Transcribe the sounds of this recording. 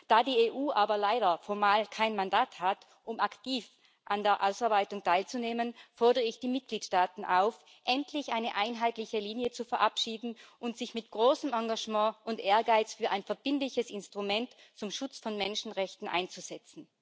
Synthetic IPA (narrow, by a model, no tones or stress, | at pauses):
d̥aːdiːeːʔuːʔaːbɐlaɪɾɐfɔɐmaːlkʰaɪnmandaːthat | ʔʊmʔaktiːf | ʔandeːɐʔaʊsaɐbaɪtʊŋtʰaɪlt͡suneːmənfɔɐdəʁəɪçd̥iːmɪt̚ɡ̥liːtʃtaːtn̩ʔa̰ʊf | ʔɛntʰlɪçʔaɪnəʔaɪnɦaɪtlɪçəliːnjət͡sufɛɐʔapʃiːdn̩ʔʊntz̥ɪçmɪtɡ̥ʁoːsəmãŋɡaʒmɑ̃ːʔʊntʔeːɐɡaɪt͡sfyːɐʔaɪnfɛɐb̥ɪndlɪçəsɪnstʁ̥umɛntt͡sʊmʃʊt͡sfɔnmɛnʃn̩ʁɛçtn̩ʔa̰ɪnt͡suz̥ɛt͡sn̩